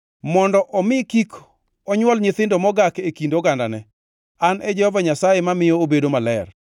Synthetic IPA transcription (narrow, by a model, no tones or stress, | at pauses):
mɔndɔʔɔmɪkik | ɔɲwɔlɲɪt̪ɪndɔmɔɡakekindoɡandanɛ | anʔɛd͡ʒɛhɔvaɲasajemamɪjɔobedomalɛr